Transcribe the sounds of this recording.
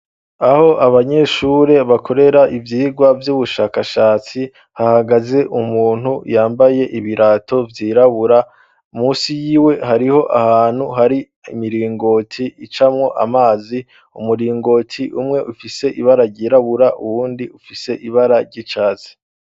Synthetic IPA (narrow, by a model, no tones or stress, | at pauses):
aho̞ʔaβaɲe̞ʃuɾe̞βakʰo̞ɾe̞ɾaʔivjiːɡwavjuβuʃaːkaʃaːt͡si | hahaɡaze̞ʔumuːn̥hujaːmbaje̞ʔiβiɾaːtʰo̞vjiːɾaβuɾa | umuːsijiːwe̞ɦaɾiho̞ʔahaːn̥huɦaɾi | imiɾiːŋɡo̞tʰiːt͡ʃamŋo̞ʔa̰maːzi | umuɾiːŋɡo̞ːtʰiʔumŋe̞ʔufise̞ʔiβaɾaɾɟiːɾaβuɾaʔuβuːndiufise̞ʔiβaɾaɾɟit͡ʃaːzi̥